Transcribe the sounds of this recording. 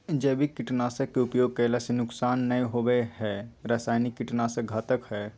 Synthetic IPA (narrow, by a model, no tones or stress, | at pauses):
d͡ʒeːbʱikɪʈnaːsəkːeʊpjoːɡ̚keːlasenʊksaːnːɐĩɦoweɦɛɾaːsaːjnikːɪʈnasəɡʱaːt̪əkhɛː